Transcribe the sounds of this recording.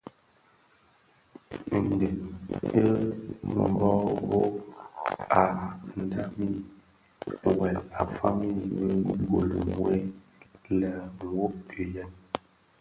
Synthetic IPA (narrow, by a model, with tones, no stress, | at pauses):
n˨de˨ne˦˨ | bɔ˦bo˦ | a˨n̩˨da˨mi˦˨ | wɛ˨la̰˨fa̰˦ŋ˦ji˦˨be˦ɡo˨li˨ŋwe˦ | la˨ŋ˨wo˦pe˨ja˦n